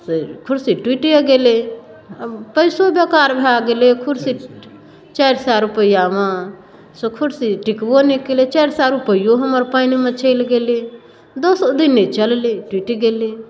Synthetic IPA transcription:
sekʰʊɽsiʈwiːʈiaɡeːle | pəjsobeːkaːɾbʱaːɡelekʰʊɽsi | t͡ʃaːjɾsaːɾupəijaːʋãː | sokʰʊɽsiʈɪkbonikelet͡ʃaːɾsaːɾupəijoɦəməɾpaːjnimãt͡ʃʰeɪlɡeːle | d̪osod̪inet͡ʃəlleʈwiʈiɡeːle

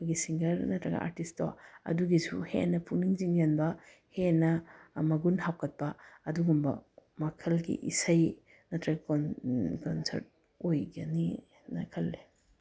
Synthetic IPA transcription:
ɡisiŋɡɐɾnɐtɾɐɡɐ̰ʔa̰ɾtisto̰ɐ̰duɡisuhḛnːɐpʰuniŋziŋenbɐ | henɐmɐɡunhawkɐt̚pɐɐduɡumbɐ̰mɐkʰɐlɡḭʔisɐj | nɐtɾɐɡɐkkonsɐ̰ɾt̚ | ojɡɐni | nɐkʰɐlːe

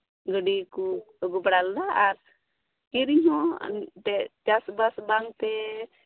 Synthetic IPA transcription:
ɡəɖiku | ɡɔbɽald̪aaɾ | kiɾiɲɦɔ̃tɛd͡ʒasbasbaŋt̪ɛ

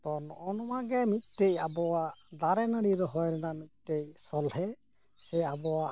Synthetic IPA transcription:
t̪ɔnɔʔɔnɔwaɡɛmit̪̚ˀtejabɔwad̪aɾɛnəɽiɾɔɦɔjɾɛnamit̪̚ˀtejsɔlɦɛ | sɛabɔwa

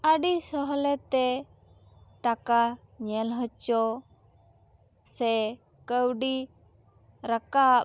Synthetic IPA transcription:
əɖisɔɦɔlɛt̪ɛ | ʈakaɲɛlɦət͡ʃɔ | sɛ | kəwɖi | ɾəka

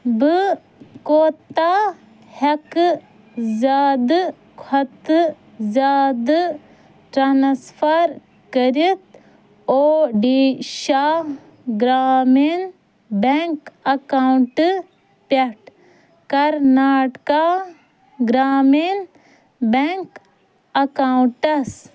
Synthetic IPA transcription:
bɨ | koːt̪a | hɐk | zaːd̪ | kʰɐt̪ | zaːd̪ | ʈɾanspʰaɾ | kəɾit̪̚ | oːɖiːʃa | ɡɾaːmen | beŋkɐkawɳʈ | pɐʈ | kɐɾnaːʈka | ɡɾaːmen | beŋk | ɐkawuɳʈɐs

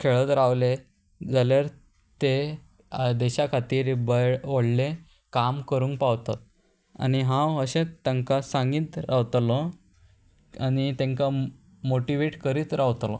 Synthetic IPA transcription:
kʰeɭət̪ɾaʋle | d͡zaljaɾ | t̪e | d̪ɛɕakʰat̪iːɾbəjoɽle | kamkəɾũŋkpaʋt̪at̪̚ | a̰niɦãwəɕẽt̪ːẽŋkasãŋɡiːt̪ɾaʋt̪lɔ | anit̪ẽŋka | moʈiʋeʈkəɾiːt̪ɾaʋt̪lɔ̰

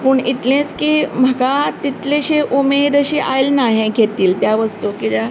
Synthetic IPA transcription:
pəɳit̪lẽt͡skim̤əkat̪it̪leɕeʔumed̪əɕeʔajlnaɦẽɡʱet̪iːlt̪jaʋəst̪ukit̪ja

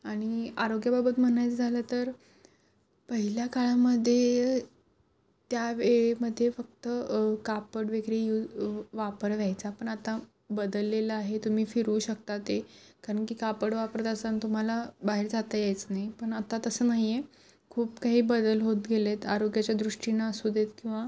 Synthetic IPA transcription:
aɽ̃iaɾoɡjababət̪m̤əɳajt͡sd͡zʱalət̪əɾ | pəɦiljakaɭaməd̪ʱːje | t̪jaʋeɭeməd̪ʱːjefək̚t̪əkapəɽʋeɡɾijuʋapəɾʋjajt͡sapəɳat̪a | bəd̪əlːeləaɦet̪um̤iːfiɾuːɕəkt̪at̪e | kaɾəɳkiːkapəɽʋapəɾt̪əsant̪um̤alabaɦeɾd͡zat̪ajajt͡snaɦipəɳat̪at̪əsəːnaɦije | kʰuːpkaɦiːbəd̪əlɦot̪ɡelet̪aɾoɡjat͡ɕjad̪ɾuʂʈinaəsud̪ʱet̪kĩw̃ʋa

